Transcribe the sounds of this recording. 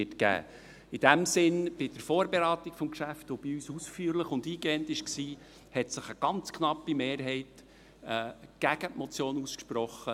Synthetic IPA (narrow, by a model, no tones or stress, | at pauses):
ɪtɡæ̰ː | ɪd̥æmsɪnb̥ɪd̥əɾfɔːɾbeɾæːt̪ikfɔmʃæftob̥ɪyːsusfyːɾləχʊnd̪iːɡeːəntɪʃksiː | hɛtsəχəɡ̥ɑnt͡skʰnɑpːimeːɾɦɛɪt | ɛːɡ̥æɡ̥ətmɔt͡sjoːnuskʃpɾɔχə